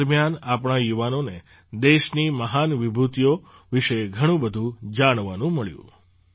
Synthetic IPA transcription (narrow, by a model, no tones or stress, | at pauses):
ɾmjanapɳ̃ajuʋanone | d̪eʃniməɦanʋibʱut̪jo | ʋiʃeɡʱəɽ̃ũbəd̪ʱũd͡ʒaɽ̃ʋanũməɭjṵ̃